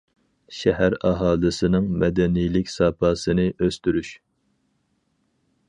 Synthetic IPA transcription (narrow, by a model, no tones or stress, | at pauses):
ʃɛɦæɾɑɦɑːlˠɨsɨnɨŋmɛd̪ɛnijlɪkʲsɑpʰɑːsɨnɨʔøst̪yɾyʃ